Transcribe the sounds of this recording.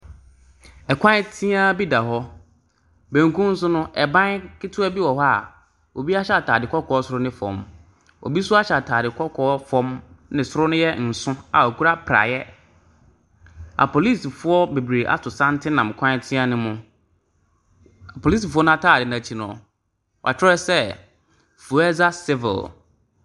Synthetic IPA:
ɛ˨kʷʰã˦tʰĩ˦a˦bi˦da˨ɦɔ˦ | bẽ˨ŋ˦kũ˦n̩˦s̬ʊ˦nʊ̃˦ʔɛ˨bã˦kʰɪ˦tʰʊ˦ɛ˦bi˦wɔ˨hɔ˦a˨ | o˨bi˦a˦ɕɛ˦a˨tʰaː˨dɪ˨kʰɔ˦kʰɔː˨˦ɔ˦sʊ˨ɾʊ˦nɪ̃˦fɔ̰̃˨m | ɔ̰˨bi˦sʊ˦a˦ɕɛ˨a˨tʰaː˨dɪ˨kʰɔ˦kʰɔː˨˦fɔ̃˦mnɪ̃˨sʊ˦ɾʊ˦nʊ̃˦jɛ˦n̩˨sʊ̃˦a̰˨o˨kʰu˦ɾa˦pʰɾa̰˨jɛ˦ | a̰˨pʰo˨li˦˨sfʊ˦ɔ˦be˨bɾe˨ʔa̰˦tʊ˨sã˦n˦tʰɪ˦nã˨m˨kʰã˦tʰɪ̃˦a˦nɪ̃˦mʊ̃˨ | a˨pʰo˨li˦s̬i˨fʊ˦ɔ˦nʊ̃˦a˦˨tʰaː˦˨dɪ˨nã˨t͡ɕʰi˨nɔ̰̃˨ | wɔ˨a̰˨t͡ɕʰᶣɛ˦sɛ˦ | fu˨ɛ˦za˦sɪ˦vɪ̰˨l

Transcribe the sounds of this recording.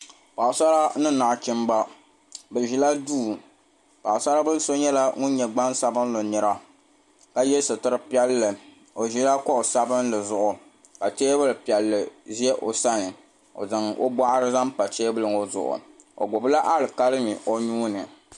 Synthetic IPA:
pa˨ʔsa˦ɾa˦nɨ˦na˨ʔt͡ʃɪ˦mba˦ | bɛ˨ʒi˨la˦duː˦˨ | pa˨ʔʊ˨sa˦la˦bɨ˦lso˦ɲɛ˦la˦ŋʊ̃˦n˦ɲɛ˨ɡ͡ba˦nsa˦bɨ˦n˦lo˨nɛ˨ɾa˦ | ka˦jɛ˦sɨ˨tɨ˦ɾɨ˦pi˦ɛ˦lːɨ˨ | o˨ʒi˦la˦kɔ˦o˨sa˦bɨ˦n˦lɨ˨zʊ˨ʔʊ˨ | ka˨teː˦bɨ˦lɨ˨pi˨ɛ˨lːɨ˨zi˦ɛ˦ʔo˨sa˦nɨ˨ | o̰˨zɨ˨ŋo̰˦ba˦ʔa˦ɾɨ˦za˦m˦pa˨teː˦bɨ˦lɨ˨ŋo˦zʊ̰˨ʔʊ̰˨ | o̰˨ɡʊ˨bɨ˦la˦ʔa˦lɨ˨ka˦lɨ˦mi˨o˦ɲuː˦nɨ˨

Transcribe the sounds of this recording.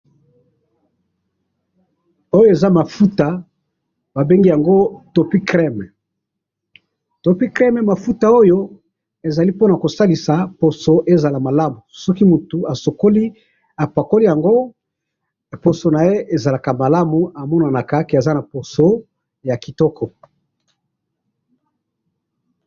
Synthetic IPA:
o˦jo˦e˨za˦ma˨fu˦ta˨ | ba˨be˦ŋɡi˦ja˨ŋɡo˦to˨pi˦kʁɛ˦m˨ | to˨pi˦kʁɛ˦mɛ˨ma˨fu˦ta˨o˦jo˦ | e˨za˨li˦po˦na˨ko˨sa˦li˨sa˨po˨so˨ʔe˦za˨la˨ma˨la˦mu˨sɔ˦ki˦mu˨tu˨a˨so˨ko˦li˦ | a˨pa˨ko˦li˦ja˨ŋɡo˦˨ | po˨so˨na˨je˦ʔe˨za˨la˨ka˨ma˨la˦mu˨a˨mɔ˦na˨na˨ka˦ke˨a˨za˦na˨po˨so˦ | ja˨ki˨tɔ˦kɔ˨

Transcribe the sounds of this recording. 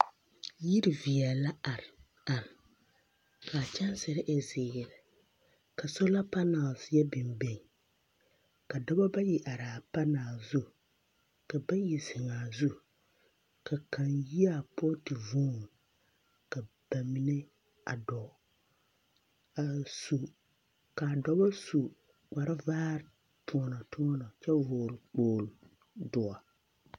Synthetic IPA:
ji˦ɾi˨vi˨ɛ˨la˦a˨ɾ | a˨ɾɪ˨ | kʰa˨t͡ʃa˦n˦sɪ˨ɾɪ˦ʔɛ˦zeː˨jɛ˨lɪ˨ | ka˨so˦la˦pa˦na˨lsjɛ˦bɪ˨mbe˨ŋ˨ | ka˨da˦ba˦ba˦ji˨ʔa˨ɾaː˨pa˦naː˨zu˦ | ka˨ba˦ji˨zɪ˨ŋaː˨zu˦ | ka˨ka˨nji˦a˦˨pɔ˦tɪ˨vuː˦ŋ˨ | ka˨ | b̥a˨mi˨˦nɛ˦ | a̰˨dɔ˨ | a˨su˨ | ka˨dɔ˦ba˦su˨ | k͡pa˨ɾɪ˦vaː˦ɾ | pʰʊ˦ɔ˨nɔ˨tʊ˦ɔ˦nɔ˨t͡ʃɛ˦voː˨ɾk͡poː˨l | dʊ˨a˨

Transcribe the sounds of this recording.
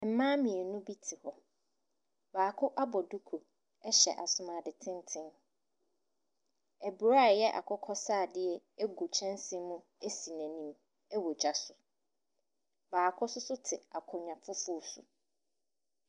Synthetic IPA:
m̩˦mãː˦mĩ˨ɛ˨nʊ̃˦bi˦tʰɪ˨hɔ˨ | baː˨kʰʊ˦ʔa˦bɔ˨du˦kʰo˨ | ɛ˦ɕɛ̰˨ʔa˨sʊ˨mã˨dɪ˨tʰɪ̃˦n˦tʰɪ̃˦n | ɛ˨bu˨ɾa˦˨jɛ˦ʔa̰˨kʰʊ˦kʰɔ˦saː˦˨dɪ˦ɛ˦ | e˦ɡu˨t͡ɕʰɛ̃˦nsĩ˦mũ˦ | e˦si˨næ̃˨nĩ˦m | ɛ˦wɔ˨d͡ʑa˨sʊ˨ | baː˨kʰʊ˦sʊ˦sʊ˦tʰɪ˨a˨kʰʊ̃˨ɲã˨fʊ˦fʊ˦˨sʊ̰˨

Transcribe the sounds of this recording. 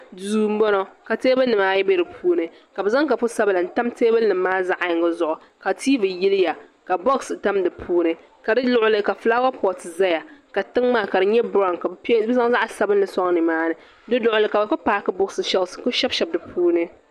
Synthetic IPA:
duː˨m̩˦bɔ˦nɔ˦ka˨teː˦bɨ˦nɨ˨maː˦jɛ˦bɛ˦dɨ˨pʰuː˦nɨ˦ | ka˨bɛ˨za˦ŋka˨fʊ˦sa˦bla˨n̩˦ta˦mteː˦bɨ˦nɨ˨mː˦aː˦za˦ʔɪ˨ŋɡɨ˦zʊ˨ʔʊ˨ | ka˨tʰiː˦vɨ˨ji˦lɪ˦ja˨ka˨bo˦ksɨ˨ta˦mdɨ˨pʰuː˦nɨ˦ | ka˨dɨ˦lʊ˦ʔʊ˦lɨ˦ka˨flaː˦wa˦pɔ˨tza˦ja˨ka˨tɨ˦ŋmaː˦˨ka˨dɨ˨ɲɛ˦bɾa˦˨nka˨pbɨ˦za˦ŋ˦za˦ʔsa˦bɨ˦nːɨ˦sɔ˦ŋ˦nɨ˨maː˦nɨ˨ | dɨ˦dʊ˨ʔʊ˨lɨ˨ka˨ba˨pa˦paː˨kɨ˦bʊ˦ksɨ˨ʃɛ˦lsɨ̥˨kʊ˦ʃɛ˦bʃɛ˨b̚dɨ˨pʰuː˦nɨ˦

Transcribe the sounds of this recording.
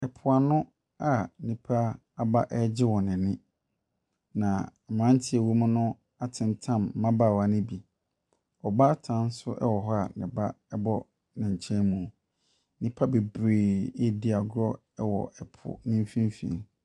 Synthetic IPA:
ɛ˨pʰʊ˨a˨nʊ̃˦ | a˨nĩ˨pʰa˦ | a˨ba˦ʔɛ˦d͡ʑɪ˦wɔ˨nɪ̃˨nɪ̃˦ | nã˨mã˦n˦tʰɪ˦ɛ˨wo˦mʊ̃˦nʊ̃˦ | a˨tʰɪ̃˨ntʰã˦˨mː˨ã˦baː˨wa˨nɪ̃˦bi˨ | ɔ˨ba˦tʰã˨˦n̩˦sʊ˦ʔɛ̰˦wɔ˨ɦɔ˦a˨nɪ̃˨ba˦ | ɛ˦bɔ˦ | nɪ̃˨ɲ̩˨t͡ɕʰɛ̃˦nmũ˨ | nĩ˦pʰa˦be˨bɾeː˨e˦di˦a˨ɡɔ˦ | ɛ˦wɔ̰˨ʔɛ˨pʰʊ̰˨nɪ̃˦m˦fĩ˦m˦fḭ̃˨n

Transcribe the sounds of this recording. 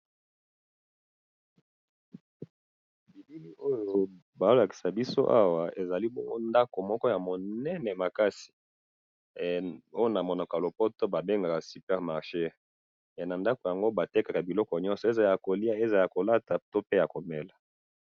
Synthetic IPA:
bi˨bi˦li˦ʔo˦jo˨ | ba˨o˦la˨ki̥˨sa˨bi˦so˦ʔa˦wa˨e˨za˨li˦bo˦ŋɡo˦nda˦ko˨mɔ˦kɔ˦ja˨mo˨nɛ˦nɛ˨ma˨ka˦si̥˨ | o˦jo˦na˨mɔ˨na˨ka˨lo˨po˦to˦ba˨be˦ŋɡa˨ka˨sy˨pɛ˦ʁma˨ʁʃe˦˨ | na˨nda˦ko˨ja˨ŋɡo˦ba˨te˦ka˨ka˨bi˨lɔ˦kɔ˨ɲɔ̃˦nsɔ˨e˦za˨ja˨ko˨li˦a˦e˦za˨la˨ko˨la˦ta˨to˦pe˦ja˨ko˨mɛ˨la˨

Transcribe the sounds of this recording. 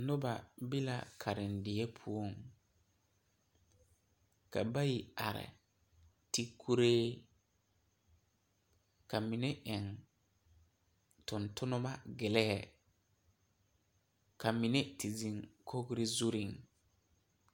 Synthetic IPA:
nʊ˦ba˨bi˦la̰˨kʰa˨ɾɪ˨n˨dɪ˨ɛ˦pʰu˦o˦˨ŋ | ka̰˨ba˦ji˨a˨ɾɪ̰˨ | ti˦kʰu˦ɾeː˦ | ka˨mɪ˨ne˦ʔɛ˨ŋ | tʊ˨ntʊ˦nʊ˦ma˦ɡɪ˨lɛ˦ɛ˨ | ka˨mɪ˨ne˦ti˨zi˨ŋkʰo˦ɡɾɪ˦zu˦ɾɪ˦˨ŋ

